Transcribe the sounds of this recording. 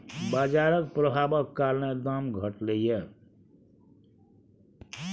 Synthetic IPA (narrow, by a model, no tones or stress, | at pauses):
baːd͡ʒaɾəkpɾəbʱabəkːaɾned̪amɡʱəʈleje